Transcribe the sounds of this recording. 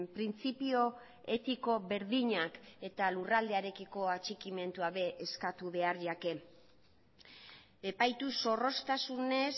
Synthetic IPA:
pɾint͡sipio̞ | e̞t̪iko̞βe̞ɾðiɲake̞t̪alurald̪eaɾe̞kiko̞at͡ʃikime̞nt̪uaβe̞ʔːskat̪uβe̞aɾʎake̞ | e̞pajt̪uso̞ro̞st̪asune̞s

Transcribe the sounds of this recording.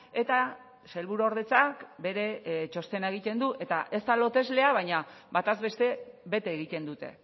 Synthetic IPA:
e̞t̪a | se̞lβuɾoɾðe̞t͡sakbe̞ɾe̞t͡ʃo̞st̪e̞naeɣ̞it̪e̞nd̪uʔe̞t̪aʔe̞st̪alo̞t̪e̞zle̞aβ̞ajɲabat̪azβe̞st̪e̞βe̞t̪eːɣ̞it̪e̞nd̪ut̪e̞̰

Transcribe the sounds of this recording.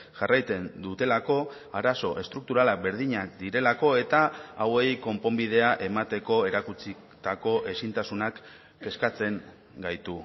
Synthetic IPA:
ʝarajt͡se̞nd̪ut̪e̞lako̞ | aɾaso̞ʔe̞st̪ɾuk̚t̪uɾalabe̞ɾðiɲak̚d̪iɾe̞lako̞e̞t̪aawe̞jko̞mpo̞mbið̞e̞aʔe̞mat̪e̞ko̞e̞ɾakut͡si | t̪ako̞ʔe̞sint̪asunak | e̞skat͡se̞ŋ | ɡajt̪u

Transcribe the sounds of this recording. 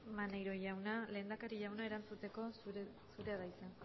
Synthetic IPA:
mane̞jɾo̞ʝawnale̞ːnd̪akaɾiʝawnae̞ɾant͡sut̪e̞ko̞ | suɾe̞aðaisan

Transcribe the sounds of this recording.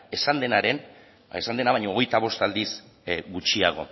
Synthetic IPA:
e̞sand̪e̞naɾe̞n | esand̪e̞naβaɲo̞ːɣ̞e̞jt̪aβ̞o̞st̪ald̪is | ɡut͡ʃiaɣ̞o̞̰

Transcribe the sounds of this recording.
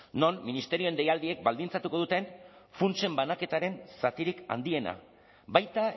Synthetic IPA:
no̞nminist̪e̞ɾio̞end̪e̞jald̪ie̞k̚bald̪int͡sat̪uko̞ð̞ut̪e̞nfunt͡ʃe̞mbanake̞t̪aɾe̞nsat̪iɾika̰nd̪ie̞na̰ | bajt̪a

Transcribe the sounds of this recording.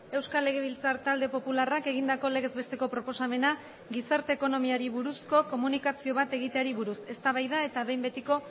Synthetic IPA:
e̞wskale̞ɣ̞e̞β̞ilt͡saɾt̪ald̪e̞po̞pularake̞ɣ̞ind̪ako̞le̞ɣe̞zβest̪e̞ko̞pɾo̞po̞same̞na | ɡisaɾt̪e̞ːko̞no̞miaɾiβuɾusko̞ko̞munikasio̞β̞at̪e̞ɣ̞it̪e̞aɾiβuɾuse̞st̪aβajðae̞t̪aβe̞jmbe̞t̪iko̞

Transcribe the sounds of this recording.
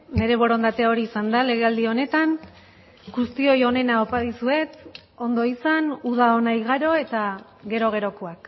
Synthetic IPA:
ne̞ɾe̞β̞o̞ɾo̞nd̪at̪eao̞ɾiːsand̪ale̞ɣ̞e̞ald̪io̞ne̞t̪an | ɡust̪io̞jo̞ne̞naopaðisue̞t̪ | o̞nd̪o̞isanuðaonajɣaɾo̞e̞t̪a | ɡe̞ɾo̞ɣ̞e̞ɾo̞koak

